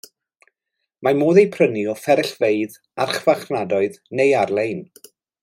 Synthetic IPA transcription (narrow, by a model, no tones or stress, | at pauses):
mamoːðejpʰrəniɔfɛɾɛɬveɨð | a̰rχvaχnadɔɨðnejarlˠejn